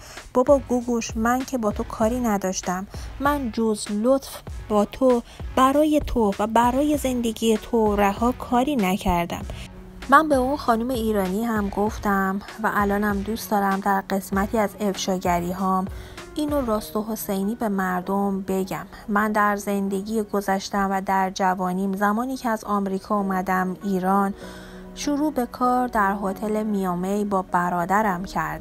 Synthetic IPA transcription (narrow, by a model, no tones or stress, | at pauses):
b̥ɒːbɒɡuɡuʃmæncʰe̞bɒːt̪ʰo̞kʰɒːɾiːnæd̪ɒːʃt̪æmːænd͡ʒozlot̪fbɒːt̪ʰob̥æɾɒːje̞t̪ʰovæbæɾɒːje̞ze̞nd̪e̞ɟijet̪ʰoɾæhɒːkʰɒːɾiːnæcʰæɾd̪æ̰mː | ænbe̞unxɒːnume̞iːɾɒːniɦæmɡo̞ft̪æmvæʔælɒːnæmd̪uːstd̪ɒːɾæmd̪æɾɢe̞smæt̪ʰiːæze̞fʃɒːɟæɾiːɦɒːminoɾɒːst̪oɦo̞sejniːbe̞mæɾd̪o̞mbe̞ɟæmːænd̪æɾze̞nd̪e̞ɟiɡo̞zæʃt̪æmvæd̪æɾd͡ʒævɒːniːmzæmɒːniːcʰeæzɒːmɾiːkʰɒːumæd̪æmiːɾɒːn | ʃuɾuːbe̞kʰɒːɾd̪æɾɦɔːt̪ʰe̞lemijɒːmejbɒːbæɾɒːd̪æɾæmcʰæɾd̪